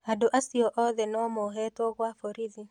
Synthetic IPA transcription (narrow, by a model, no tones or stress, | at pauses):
adoʔasiɔʔɔðɛnɔmoɦɛtɔɣwafoɾiði